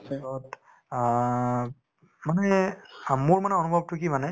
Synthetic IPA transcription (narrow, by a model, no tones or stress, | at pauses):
tɔt | manɛ | muɹmanɛɔnubʱɔb̚tʊkimanɛ